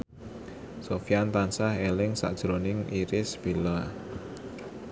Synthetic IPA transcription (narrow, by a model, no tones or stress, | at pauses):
sofijant̪ansahelɪŋsa̰ʔd̥ʒ̥ɾonɪŋiɾɪsb̥ila